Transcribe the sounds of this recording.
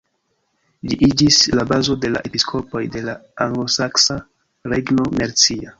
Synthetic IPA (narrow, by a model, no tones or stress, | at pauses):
liʔid͡ʒislabazo̞de̞la̰ʔe̞piskʰo̞po̞jde̞laaŋɡlo̞saksa | ɾeɡno̞meɾt͡sia